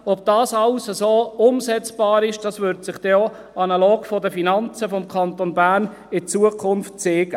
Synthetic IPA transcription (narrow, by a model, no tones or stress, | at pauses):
ɔb̥̚d̥ɑːsɑlsəsoːʊmsɛt͡sb̥ɑːɾɪʃd̥ɑsʋʏɾtsɪχd̥ɛɔ | ɑnɑloːɡ̥fɔdəfinɑnt͡səfɔmkʰɑnt̪onbæːɾn | ɪt͡suəkʰʊnftt͡seːɡ̥ə